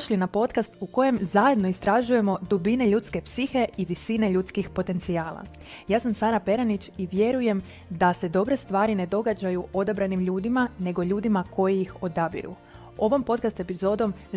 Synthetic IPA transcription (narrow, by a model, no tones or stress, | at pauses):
oʃlinapo̞t̪kast̪uko̞je̞mzaje̞d̪no̞ist̪ɾaʒuje̞mo̞d̪ubine̞ʎut̪ske̞psixe̞iʋisine̞ʎut̪skixpo̞t̪e̞nt̪siaːlˠa̰ | jaːsamsaːɾape̞ɾanit͡ɕiʋje̞ɾuje̞m | d̪ase̞d̪o̞bɾe̞st̪ʋaːɾine̞d̪o̞ɡad͡ʑajuo̞d̪abɾanimʎuːd̪imane̞ɡo̞ʎuːd̪imakʰo̞jijixo̞d̪abḭɾṵ | o̞ʋo̞mpo̞t̪̚kast̪e̞pizo̞ːd̪o̞m